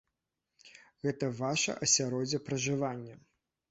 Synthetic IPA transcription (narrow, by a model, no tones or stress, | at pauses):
ɣɛt̪ɐvaʂɐ̰ʔɐsʲaɾɔd͡zʲɐpɾɐʐɨvanʲːɐ